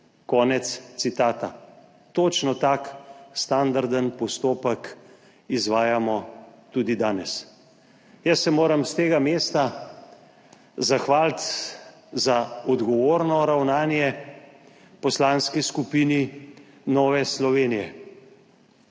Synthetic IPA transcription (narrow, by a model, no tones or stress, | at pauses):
kɔːnɛt̪st̪sit̪aːt̪a | t̪oːt͡ʃnɔt̪aːkst̪and̪aɾd̪ənpɔst̪oːpək | izʋaːjamɔt̪ud̪id̪aːnɛs | jəsːɛmoːɾəmst̪eːɡameːst̪a | zaxʋaːlt̪ | zaɔd̪ɡɔʋoːɾnɔɾawnaːnjɛ | pɔslanskiskupiːni | nɔːʋɛslɔʋeːnijɛ̰